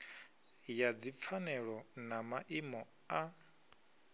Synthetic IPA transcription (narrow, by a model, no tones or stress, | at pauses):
jad͡zip̪fʰanɛɺɔnamaʔimɔ | a